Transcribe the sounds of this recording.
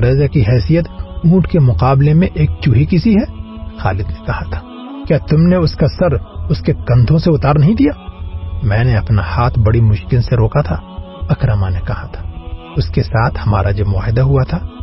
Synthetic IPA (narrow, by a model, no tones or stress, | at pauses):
ɾeːzakiɦɛːsijət̪ũːʈʰkemʊqaːblemẽʔeːk̚t͡ʃuɦikɪsiɦɛː | xa̰ːlɪd̪nẽkɐhat̪ʰḁː | kjaːt̪ʊmneʊskasɐɾʊskekɐ̃nt̪ʰõseʊt̪aːɾnɐɦĩd̪ijaːmɛ̃ːneɐpnahaːt̪ʰbɐɽimʊʃkɪlseɾoːkat̪ʰaː | ɐkɾəmanekɐhat̪ʰḁ | ʊskesaːt̪ʰhɐma̰ːɾʔajomʊa̰ːɦɪd̪aɦuat̪ʰaː